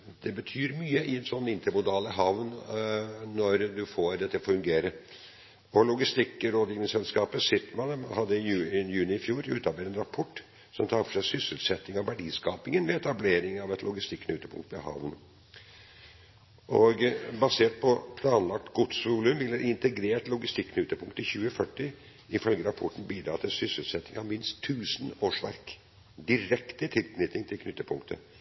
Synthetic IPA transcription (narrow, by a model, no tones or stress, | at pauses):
d̪̥ɛbət̪ʰyːɾmyːəʔɪɛt̪sɔnːɪnt̪əɾmʊd̪ɑːləɦɑʋn | nːɔɾd̪ʉfoːɾd̪ɛt̪ːəfʉŋɡeːɾəɾ | ɔlʊɡɪst̪ɪkːəɾoːd̪jɪːnɪŋsɛlskɑːpəsɪt̪ːmɑnhɑd̪ːəɪjʉjʉːnɪɪfjuːɾʉ̰ːt̪ɑbeːt̪ɛnɾɑpʰɔʈː | sɔmt̪ʰɑːɾfɔ̥ʂæɪsʏsəlsɛt̪ːɪŋɑʋʋæɖiːskɑːpɪŋənʋɛɛt̪ɑbleːɾɪŋɑʋɛt̪ʰlʔʊɡɪst̪ɪkːnʉːt̪əpʰʊ̰ŋkt̪mɛhɑ̰ʋn | ʔɔɡbɑseːʈ̚pʰɔpʰlɑːnlɑk̚t̪ɡʊt̪sʋuːlʉmʋɪlːəɾɪnt̪əɡɾeːʈlʊɡɪst̪ɪkːʰnʉt̪ːəpʊŋkt̪əçʉːəfœʈːɪ | ɪfœlɡəɾɑpʰɔʈːn̩biːd̪ɾɑːt̪ʰɪsʏsəlsɛt̪ːɪŋɑʋmɪnst̪ʰːʉːsnoːʂʋæɾk | d̪ɪɾɛkt̪ət̪ʰɪlknɪt̪ɪŋt̪ʰɪlknʏt̪ːəpʰʊŋkt̪ʰə̰